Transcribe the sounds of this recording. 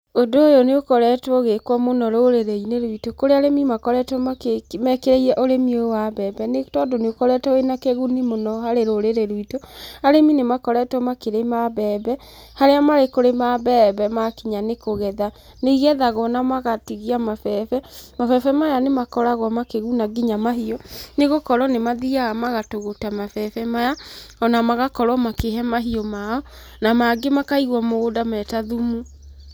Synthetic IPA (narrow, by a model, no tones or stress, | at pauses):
odoojoneokɔɾɛtwɔɣekwɔmonɔɾoɾeɾeineɾwitokoɾeaɾemimakɔɾɛtwɔmakemɛkeɾeiɾɛʔoɾemiowaβɛːbɛnetɔːdoneokɔɾɛtɔenakeɣunimonɔhaɾeɾoɾeɾeɾwitoaɾeminemakɔɾɛtwɔmakeɾemaβɛːbɛ | haɾeamaɾekoɾemaβɛːβɛmakiɲanekoɣɛða | neiɣɛðaɣɔnamaɣatiɣiamafɛfɛmafɛfɛmajanemakɔɾaɣwɔmakeɣunaɡiɲamaɦiɔneɣokɔɾɔnemaðiaamaɣatoɣotamafɛfɛmajaɔnamaɣakɔɾwɔmakeɦɛmaɦiɔmaɔ | namaɡemakaiɣwɔmoodamɛtaðumu